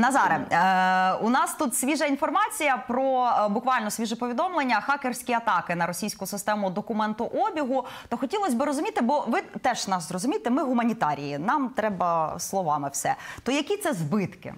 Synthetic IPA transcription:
nɐzɑɾe | ʊnɑst̪ut̪sʲʋʲiʒɐinfɔrmɑt͡sʲijɐpɾɔbʊkʋɑlʲnɔsʲʋʲiʒɪpɔʋʲid̪ɔmlˠenʲːɐxɑkersʲkʲiɐt̪ɑkɪnɐɾɔsʲijsʲkʊsɪst̪ɛmʊd̪ɔkʊmɛnt̪ʊʔɔbʲiɦʊt̪ɔxɔtʲilˠɔsʲbɪɾɔzʊmʲit̪ɪbɔʋɪt̪ɛʒnɑʃzrɔzʊmʲit̪ɪmɪɦʊmɐnʲit̪ɑɾʲijinɑmt̪ɾɛbɐslˠɔʋɑmɪwsɛt̪ɔjɐkʲit̪sɛzbɪt̪kɪ̰

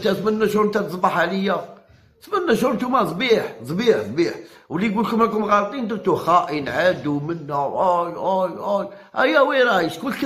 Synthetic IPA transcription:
t̪æt̪mənːæʃuɾnt̪æt̪əsˤbaħaləjːa | t̪mənːæʃʊɾt̪umæzˤbiħzˤbiħd̪ˤbiħwliɡulkʊmlækʊmɣɑɾt̪ˤind̪ət̪uxæʔənʕad̪umənːæwʔæjæjʔæj | ʔæjːæwiɾˤɑjəʃkʊlːk

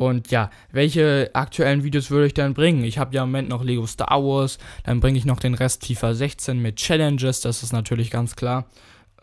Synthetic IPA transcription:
ʔʊntʰjaː | vɛlçəʔa̰k̚tʰuɛlənviːdioːsv̥ʏɐɾəɪçd̥anbʁɪŋənɪçhaːbəjaːɪmːomɛntnɔχleːɡostʰa̰ːɐvɔɐsd̥a̰nbʁɪŋəɪçnɔχd̥eːnʁɛstʰːiːfɐzɛçt͡seːnmɪt̚t͡ʃɛlɛnd͡ʒəsd̥asɪ̥stnatʰyːɐlɪçɡ̥ant͡skʰl̥aːɐ

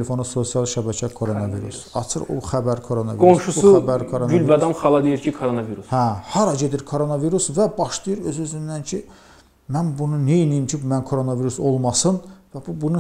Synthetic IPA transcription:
elefo̞nuso̞sijɑlˠʃæbæcʰækʰoɾonɑvḭɾṵsɑ̰t͡ʃʰɯ̰ɾo̰xæbæɾkʰo̞ɾonɑviɡounsʃusuuæbæɾkʰoɾonylvæd̪ɑnχɑlˠɑd̪ejiɾcʰikʰoɾonɑviɾushæhɑɾɑɟe̞d̪iɾkʰo̞ɾo̞nɑviɾusvæbɑʃlˠijɯɾø̞zøzynd̪æncʰi | mænbununejinijimcʰibmænkʰo̞ɾo̞nɑviɾuso̞lˠmɑsɯnvæbubunu

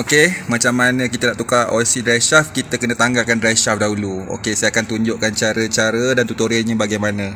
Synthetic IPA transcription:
okemat͡ʃamːanə̃kit̪ənaʔt̪ukao̰sidɾajʃafkit̪əkənə̃t̪aŋɡakandɾajʃafdaɦuluo̰kesajakant̪uɲd͡ʒoʔkant͡ʃaɾət͡ʃaɾədant̪ut̪uɾəɲə̃baɡajmanə̃

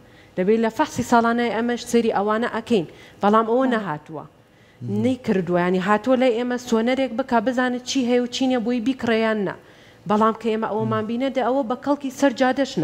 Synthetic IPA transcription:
lɐbelɐfɐħsˤiːsɑːlˠaːnajiʔɐmɐʃseɾiʔɐwaːnɐʔɐkɐjnb̥ɐlˠaːmʔɐwɐnɐɦaːt̪uwɐ̰ | nɐjkʰɨɾd̪uwɐjaʕniɦaːt̪uwɐlajʔeːmɐsoːnɐɾek̚bɨkabɨzaːnɨt͡ʃʰiːɦɛjɛwt͡ʃʰinebojibiːkɨrejaːnːɐ̰ | bɑlˠaːmkʰɐeːmɐʔɐwɐmaːnbiːnɐd̪aʔɐwɐbɐxɐlˠkiːsɐɾd͡ʒaːd̪ɐʃn

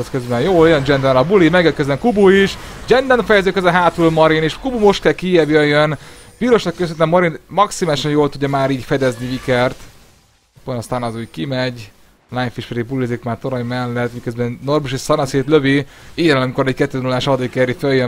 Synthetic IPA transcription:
t̪køzbɛnjoːljønd͡ʒɛnd̪ɛnlɒbulimɛɡɛkøzbɛmkubuiʃd͡ʒɛnd̪ɛnfɛjɛzøːkøzɛɦaːt̪ɾulmɒɾineːʃkubumo̞ʃt̪̚kɛlkijɛbjøjjøn | piːɾo̞ʃnɒkːøs̬ønt̪ɛmːɒɾinmɒksimaːliʃɒnjoːlt̪uɟːɒmaːɾiːɟfɛd̪ɛzniikɛrt̪ | pːonɑst̪aːnɒzuːɟkimɛɟ | lajfiʃpɛd̪ibulizikmaːrt̪oɾojmɛlːɛt̪mikøzbɛnːorbuʃeʃsɒnɒseːt̪løviijɛnɒmikoɾɛckɛt̪ːøːzɛnulːaːʃɒd̪ikɛɾiføjjø

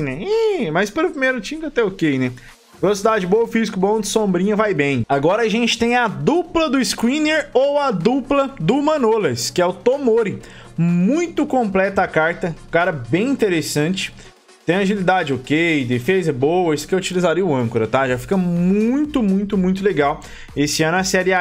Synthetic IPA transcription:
nɛɛmɐjspɐɾʊpɾimeɾʊt͡ʃĩkɐt̪ɛokejnɛ | velosid̪ad͡ʒɪboɐʊfizikʊbõd͡ʒ̪ɪsõmbɾĩɲɐvajbẽj̃aɡɔɾɐaʒẽnt͡ʃɪ̥t̪ẽj̃ɐd̪uplɐd̪ʊɪskwĩneɾowɐd̪uplɐd̪ʊmɐ̃nolɐskɪɛʊt̪omoɾɪ | mũj̃t̪ʊkõmplɛt̪ɐakaɾt̪ɐkaɾɐbẽj̃ĩnt̪eɾesɐ̃t͡ʃɪ̥ | t̪ẽj̃aʒilid̪ad͡ʒɪokejd̪efezɐbowɐisʊ̥kɪewut͡ʃilizaɾiʊɐ̃kʊɾɐt̪aʒafi̥kɐmũj̃t̪ʊmũj̃t̪ʊmũj̃t̪ʊleɡaw | esɪɐ̃nʊɐsɛɾɪa

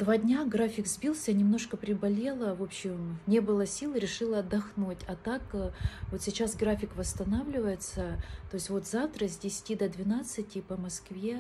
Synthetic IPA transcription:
d̪vadʲnʲaɡɾafʲɪkzbʲilˠsʲənʲɪmno̞ʂkəpɾʲɪbɐlʲe̞lˠəvo̞pɕɪmnʲe̞bɨlˠəsʲilˠɾʲɪʂɨlˠəɐd̪ːɐxnutʲɐt̪akvo̞t̪sʲɪt͡ɕasɡɾafʲɪkvəst̪ɐnavlʲɪvəjɪt̪sət̪o̞ɪsʲtʲvo̞t̪zaft̪ɾəzʲdʲɪsʲɪ̥tʲid̪əd̪vʲɪnat̪sɨtʲɪpəmɐskvʲe̞

